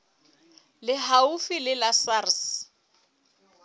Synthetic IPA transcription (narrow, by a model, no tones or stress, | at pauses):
lɪɦaufilɪlasars